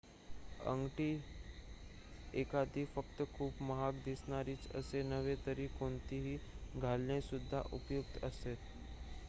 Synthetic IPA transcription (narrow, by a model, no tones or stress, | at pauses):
ə̰̃ŋɡʈi | eːkaːd̪ifəkt̪kʰuːpməɦakd̪ɪsnaɾit͡ʃə̰senəʋet̪əɾikoːnt̪iɦiɡʱaːlnesʊd̪ʱːa̰ʔʊpjʊk̚t̪əseːt̪